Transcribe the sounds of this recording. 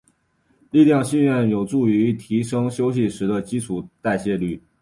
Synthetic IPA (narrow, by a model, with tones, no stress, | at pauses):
li˥˧ljɑ˥˧ŋɕi˥˧nɥɛ˥˩njo˨˩ʊʈ͡ʂu˥˩y˧˥y˧˥t̪ʰi˧˥ʂɤ˥ŋɕjo˥ʊɕ̬i˥˨ʂɻ̩˧˥d̪ə˧t͡ɕi˥t͡sʰu˨˩t̪a˥˧ɪɕjɛ˥˧ly˥˩